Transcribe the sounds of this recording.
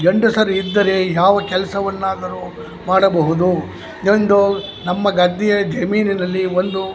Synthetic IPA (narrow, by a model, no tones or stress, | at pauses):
d͡ʒɐɳɖɐsɐɾid̪ːɐɾe̞jaːʋɐkɛlɐsɐʋɐnːaːd̪ɐɾu | maːɽɐbɐɦud̪u | nond̪u | nɐmːɐɡɐd̪ːijɐd͡ʒɐmiːninɐlːiond̪u